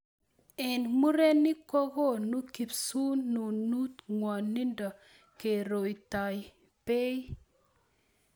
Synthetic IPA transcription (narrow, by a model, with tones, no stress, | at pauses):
ɛ˨nmu˦ɾe˦ni˦ko˦ɡo˦˨nu˦ki˨psu˦nːu˨nu˦t̪ŋwa˨nːi˦nda˨ | ke˨ɾo˨jta˨j | pe˦j